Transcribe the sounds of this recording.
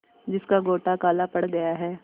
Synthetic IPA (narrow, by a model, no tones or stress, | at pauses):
d͡ʒɪskaɡoːʈakaːlapɐɽɡɐjaɦɛː